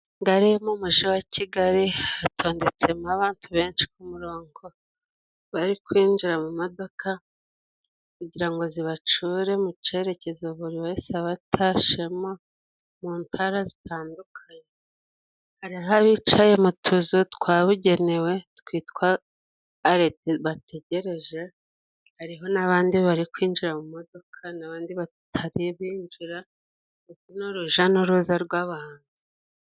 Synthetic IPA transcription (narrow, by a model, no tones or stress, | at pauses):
ŋɡaɾemomuʒiwacʰiɡaɾiatʰo̞ːnde̞t͡se̞maβaːntʰuβe̞ːnt͡ʃi̥kumuɾo̞ːŋɡo̞ | βaɾikwiːnd͡ʒiɾamumo̞do̞kʰa | kuɟiɾaŋɡo̞ziβat͡ʃuɾe̞mut͡ʃe̞ɾe̞ce̞zoβuɾiβesaβatʰaʃemo̞ | muːntʰaɾazitʰaːndukʰaɲe | haɾiɦaβit͡ʃaje̞mutʰuzotkwaːβuɟe̞newe̞tkwiːtkwaː | ɾeteβatʰe̞ɟe̞ɾe̞ʒe̞ | haɾiɦo̞naβaːndiβaɾikwiːnd͡ʒiɾamumo̞do̞kʰanaβaːndiβa | tʰaɾiβiːnd͡ʒiɾa | utinoɾuʒanoɾuːzaɾɡwaβaːntu̥